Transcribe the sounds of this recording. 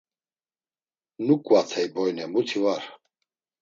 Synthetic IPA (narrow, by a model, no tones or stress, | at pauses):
nukʼwat̪ʰɛjbɔjnɛmut̪ʰivaɾ